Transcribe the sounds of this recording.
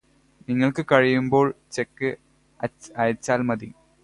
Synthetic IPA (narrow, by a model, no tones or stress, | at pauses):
niŋːɐɭkɨkɐɻijumbo̞ːɭt͡ɕekːɨ | ɐɐjɐt͡ɕːaːlmɐðḭ